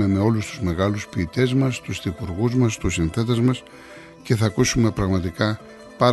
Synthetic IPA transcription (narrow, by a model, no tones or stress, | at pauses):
e̞me̞o̞lust̪uzme̞ɣɐluspiːt̪e̞zmɐst̪usθipuɾɣuzmɐst̪usinθe̞t̪ezmɐs | ce̞θɐkusume̞pɾɐɣmɐt̪ikɐ | pɐɾ